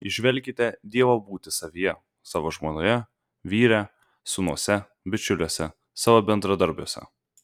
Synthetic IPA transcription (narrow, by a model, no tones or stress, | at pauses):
ɪʒʲʋʲɛlʲkʲɪt̪ʲɛd̪ʲiɛʋoːbuːt̪ʲɪsɐʋʲijɛ | sɑːʋoːʒmoːnojɛ | ʋʲiːɾʲɛ | sʊnuɔsʲɛ | bʲɪt͡ʃʲʊlʲoːsʲɛ | sɑːʋoːbʲɛnd̪ɾɐd̪ɐɾʲbʲoɔsʲɛ̰